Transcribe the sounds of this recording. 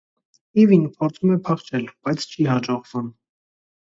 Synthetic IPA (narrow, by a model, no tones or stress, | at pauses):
ivinpʰɔɾt͡sʰumɛpʰɑχt͡ʃʰɛlb̥ɑjt͡sʰt͡ʃʰiɦɑd͡ʒɔʁvum